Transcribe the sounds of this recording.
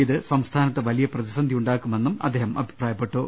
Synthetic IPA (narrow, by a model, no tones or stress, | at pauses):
iðɨsɐmst̪ʰaːnɐt̪ːɨʋɐlijɐprɐðisɐnd̪ʱijuɳɖaːkːume̞nːumɐ̰d̪ːeːɦɐmʔɐ̰bʱi̥praːjɐpːeʈːoː